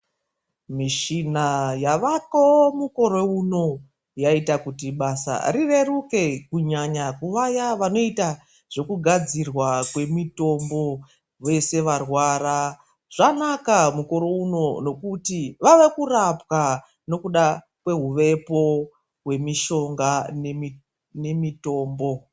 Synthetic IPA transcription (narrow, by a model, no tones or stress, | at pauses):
miʃinajaʋakomuko̞ɾo̞uno̞ | jaitakutiɓasa̰rire̞ruke̞kuɲaɲakuʋajaʋano̞ita | ʐ̥o̞kuɡʱad͡zirwakwe̞mito̞mbo̞ | ʋe̞se̞ʋarwaːra | ʐ̥anakamuko̞ɾo̞uno̞no̞kutiʋaʋe̞kurapka | no̞kuɗa | kwe̞ɦuʋe̞po̞ | ɦwe̞miʃo̞ŋɡanei | ne̞mito̞ːmbo̞